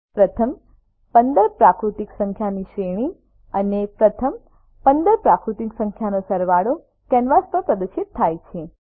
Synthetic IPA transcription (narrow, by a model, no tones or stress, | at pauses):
pɾət̪ʰəm | pənd̪əɾpɾakɾut̪iksə̃ŋkʰjaniʃɾeɽ̃i | ənepɾət̪ʰəm | pənd̪əɾpɾakɾut̪iksə̃ŋkʰjanosəɾʋaɽo | kɛnʋast̪əpɾəd̪əʃɪt̪ʰːajt͡ʃʰe